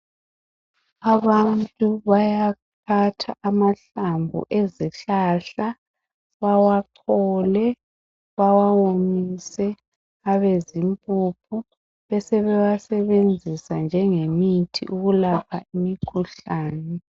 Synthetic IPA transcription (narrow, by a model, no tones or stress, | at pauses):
aβantʼuβajakʰatʰaʔamaɬambʱṵʔeziɬaɬa | βawaǀʰɔlɛ | βawawomisɛ | aβezimpʼupʰu | βɛsɛβɛwasɛβend͡zʱisand͡ʒʱɛŋemitʰḭʔuɣulapʰa̰imikʰuɬaːnɛ